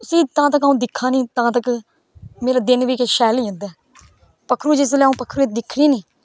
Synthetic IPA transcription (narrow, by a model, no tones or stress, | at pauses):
ʊsiːt̪ãːt̪əkaũːd̪ɪkʰːãːnĩːt̪ãːt̪ək | meːɾaːd̪ɪnʋiːkeʃɛːliːɦə̃nd̪ɛː | pəkʰːɾuːd͡ʒeslɛːũːpəkʰɾuːed̪ɪkʰːɽiːnĩː